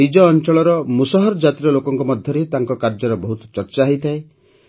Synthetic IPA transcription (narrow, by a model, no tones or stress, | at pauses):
id͡ʒɔːnt͡ʃɔɭɔɾɔmusaɦɔɾɔd͡ʒat̪iɾɔlokɔŋkɔmɔd̪ʱjɔɾet̪aŋkɔkaɾd͡ʒɔɾɔbɔɦut̪ɔ̥t͡ʃɔɾt͡ʃaɦejt̪ʰae